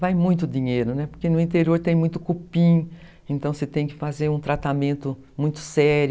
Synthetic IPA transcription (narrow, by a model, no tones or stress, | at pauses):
vajmũj̃t̪ʊd̪ĩɲejɾʊnɛpoɾkenʊĩnt̪eɾioɾt̪ẽj̃mũj̃t̪ʊkupĩ | ẽnt̪ɐ̃w̃set̪ẽj̃kɪfazeɾũt̪ɾat̪amẽnt̪ʊ | mũj̃t̪ʊ̥sɛɾj